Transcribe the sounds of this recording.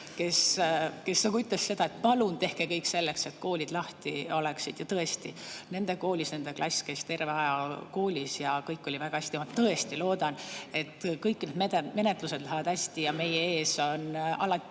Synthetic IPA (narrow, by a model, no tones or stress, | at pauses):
ke̞ske̞st̪ɑkuyt̪ːlesse̞d̪̥ɑe̞t̪̚pɑlunt̪e̞hke̞kɤjkːse̞lːe̞kse̞t̪ko̞ːlʲid̪̥lɑht̪io̞le̞ksid̪̥jɑt̪ɤe̞st̪ine̞nd̪e̞ko̞ːlʲisne̞nd̪e̞klʔɑ̰sʲke̞st̪e̞rveɑjɑko̞ːlʲisjɑkɤjkːˑo̞lʲivæɡ̥ɑæsʲt̪iɑmɑt̪ɤe̞st̪ilo̞ːd̪̥ɑne̞t̪ːkɤjkːined̪meme̞ne̞t̪ˑlused̪læɦævɑd̪̥hæsʲt̪ijɑme̞jee̞ːso̞nɑlɑt̪ː